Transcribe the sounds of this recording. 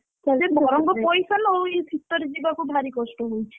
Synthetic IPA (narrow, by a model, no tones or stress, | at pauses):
kaebʱɔɾɔŋɡɔpɔjsanowibʱit̪ːɔɾid͡ʒibakubʱaɾikɔsʈɔɦojt͡ʃʰi̥